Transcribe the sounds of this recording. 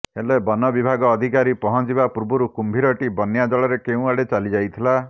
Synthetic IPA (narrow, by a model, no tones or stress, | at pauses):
elebɔnɔbibʱaɡɔːd̪ʱikaɾipɔɦɔ̃d͡ʒibapuɾbuɾukumbʱiɾɔʈibɔnjad͡ʒɔɭɔɾekeũaɽet͡ʃalid͡ʒajt̪ʰila